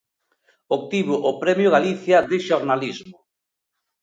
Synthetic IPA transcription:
ok̚t̪iβʊʔːpɾɛmjʊɣ̞aliθjaðɪʃoɾnalizmʊ

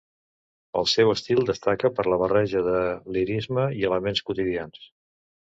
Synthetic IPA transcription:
ə̰lˠsɛwəst̪ilˠd̪əst̪akəpəɾləβ̞ərɛʒəðəliɾizməiələmenskut̪iðians

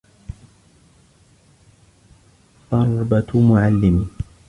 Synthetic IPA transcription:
t̪ˤɑɾˤbat̪mʊʕalːɪmɪ

